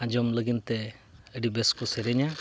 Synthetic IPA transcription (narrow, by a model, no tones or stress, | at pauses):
ãd͡ʒɔmləɡint̪eəɖibeskuseɾɛɲa